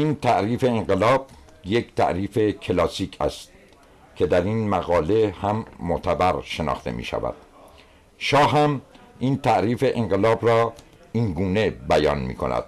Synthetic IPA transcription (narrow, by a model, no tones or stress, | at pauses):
ʔint̪ʰæʔɾiːfe̞eŋɢelɒːb̥̚ | jekʰt̪ʰæ̰ʔɾiːfe̞kʰelɒːsiːcʰæ̰st̪̚ | cʰe̞d̪æɾiːnmæɣɒːle̞hæmːoʔt̪ʰæbæɾʃe̞nɒ̰ːχt̪e̞̰mḭːʃæ̰væ̰d̪̥̚ | ʃɒːhɦæmiːnt̪ʰæʔɾiːfe̞ʔeŋɢelɒːbɾɒː | inɡuːne̞bæjɒ̰ːnmḭːkʰo̞̰næ̰d̪̥